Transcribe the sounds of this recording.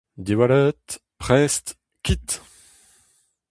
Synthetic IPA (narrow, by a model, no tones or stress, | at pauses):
d̪evwalɛt̪ | pχɛst̪ | kʲit̪